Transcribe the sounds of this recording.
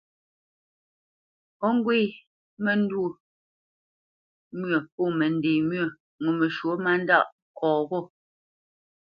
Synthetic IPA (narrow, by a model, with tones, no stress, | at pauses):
o˦ŋ˦ɡwe˦˨ | mɛ˨n˦du˦˨ | mɥə˦˨po˦˨mɛ˨n˦de˨mɥə˦˨ | ŋu˨me˨ʃwo˦ma˦n˦da˦˨ʔ | kɔː˨ɣo˦˨